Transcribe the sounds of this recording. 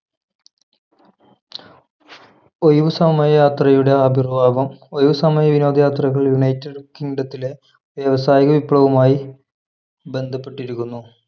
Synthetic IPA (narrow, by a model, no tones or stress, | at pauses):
o̞jʋusɐmɐjjaːt̪rɐjuɽe̞ɐbʱirʋaːʋɐmojʋɐsɐmɐjɐʋino̞ːd̪ʱɐjaːt̪rɐɣɐɭjuɳɐjtːeɖkiŋɖɐt̪ːile̞ | ʋjɐʋɐsaːjiɣɐʋipːɭɐʋɐmaːji | be̞nd̪ʱɐpːe̞ʈːiɾikːunːu